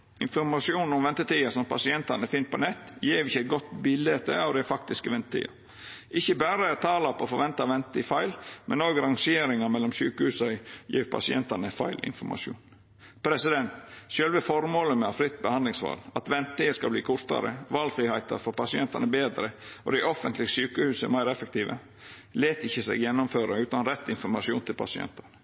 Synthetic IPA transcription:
ɪnfɔɾmɑsjuːnn̩ɔmʋɛnt̪ət̪iːəsɔmpʰɑ̰sɪɛnt̪ɑnəfɪn̚pɔnɛt̪ːjeːʋɪçəɛt̪̚ɡɔt̪ːbɪlet̪ə̰ɑʋd̪ɛɪfɑkt̪ɪskəʋɛnt̪ət̪ʰḭːɑ̰ | ʔɪçːəbæːɾət̪ʰɑːlɑpʰɔːfɔɾʋɛnt̪ɑʋɛnt̪t̪ifæɪlmʔɛnoːɡɾɑŋʃɪeːɾɪŋɑmɛlːɔmsyːkəhʉːsɑjḭːɾpʰɑ̰sɪɛ̰nt̪ɑnəfɑ̰ɪlʔɪ̰nfɔɾmʔɑ̰ʂṵːn | pʰɾɛsɪd̪ɛnt̪ʃøːlʋəfɔɾmoːləmɛɑfɾɪt̪ːbəhɑnd̪lɪŋsʋɑ̰ːlɑt̪ʋɛnt̪ɪəskɑbliːkʰʊɾt̪ɑ̰ɾə̰ʋɑːlfɾiːhæɪt̪ɑ̰ɾfɔɾpɑsɪɛnt̪ɑnəbeːd̪ɾəɔ̰d̪æɪʔɔfənt̪lɪəsyːkəhʉːsəmæɪɾɛfək̚t̪ʰiːʋə̰ | leːt̪ɪçːəsɛ̰ːɡjɛnːɔmføːɾəʉːt̪ɑnɾɛt̪ːɪnfɔɾmɑʃɪuːnt̪ʰɪlpʰɑ̰sɪɛ̰nt̪ɑnə

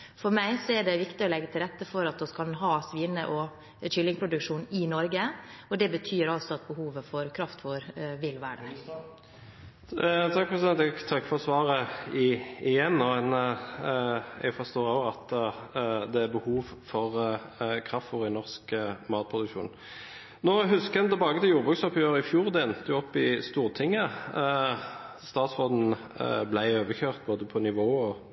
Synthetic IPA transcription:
fɔɾmæɪsɔæɖɛʋɪkt̪ɪɔlɛɡːət̪ʰɪlɾɛt̪ːəfɔɾɑt̪̚d̪ɔskɑlɦɑːsʋiːnəʔɔ | ʃʏlːɪŋpʰɾʊd̪ʉkʂuːnɪnɔɾɡəɔd̪ɛbət̪ʰyːɾɑlt̪sɔɑt̪̚bəhuːʋəfɔɾkʰɾɑft̪ʋoːɾʋɪlʋæ̰ːɖə̰ɾ | t̪ʰɑk̚pʰɾɛsɪd̪ɛnt̪ɛɡt̪ʰɑkːfɔʁsʋɑːʁəɪɪjɛnːoːɛn | ɛ̰ɡfɔst̪oːɾoɑt̪ | d̪ɛæɾbəhuːʋfɔʁkʰɾɑft̪ʋuːʁɪnɔʁskmɑːt̪̚pʰʁʊd̪ʉkʃṵːn | noːɦʉskɛnt̪ʰɛlbɑːɡət̪ʰɪljuːʁbʁʉksɑpjøːʁɾəɪfjuːʁd̪ɛɛnt̪əjʊɔpːɪst̪uːʁt̪ʰɪŋːə | st̪ɑːt̪sfʁoːd̪n̩ | blæɪøːʋəçøːʁt̪̚boːd̪əpʰɔnɪʋoːɔ

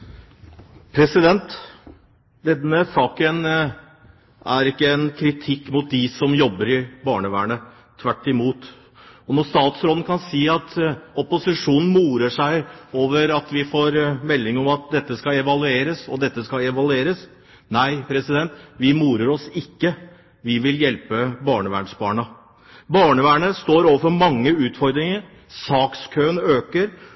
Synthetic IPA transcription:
pʰɾɛsɪd̪ɛnt̪ | d̪ɛnəsɑːkən | æɾɪkːəɛnkʰɾɪt̪ʰɪkːmʊt̪̚d̪ɪsɔmjɔbːəɾɪbɑːɳəʋæ̰ːɳə | t̪ʰʋæʈːɪmuːt̪ | ɔnɔʂt̪ɑːt̪sɾoːd̪n̩kʰɑnsiːɑt̪ɔpʊsɪʂuːnn̩muːɾəʂæɪoːʋəɾɑt̪ʋɪfoːɾmɛlːɪŋɔmɑt̪̚d̪ɛt̪ːəskɑɛʋɑlʉeːɾəsɔd̪ɛt̪ːəskɑɛʋɑlʉeːɾəs | næɪpʰɾɛsɪd̪ɛnt̪ʋɪmuːɾəɾɔsɪkːə | ʋɪʋɪljɛlpəbɑːɳəʋæ̰ːɳsbɑːɳɑ | bɑːɳəʋæːɳəst̪oːɾoːʋəfɔɾmɑŋːəʉːt̪fɔɾd̪ɾɪŋəɾ | sɑːkskʰøːənøːkəɾ

